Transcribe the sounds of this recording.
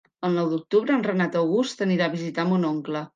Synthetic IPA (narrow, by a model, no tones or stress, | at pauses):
əlˠnɔwd̪uk̚t̪uβɾəːnrənat̪əwɣust̪əniɾaːβizit̪ambunoŋklə